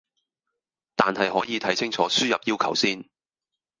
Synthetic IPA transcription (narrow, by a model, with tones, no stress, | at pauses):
t̪aː˨nhɐ˨jɦɔː˨˥jiː˨˧t̪ʰɐ˨˥jsɪ˥ŋt͡ʃʰɔː˨˥syː˥jɐ˨p̚jiː˥wkʰɐ̰˨˩wsiː˥n